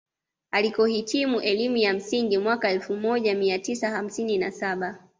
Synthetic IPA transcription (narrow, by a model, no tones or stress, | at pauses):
alikɔhitimuʔɛlimujam̩siŋɡimwakaɛlfumɔʄamiatisaham̩sininasaɓa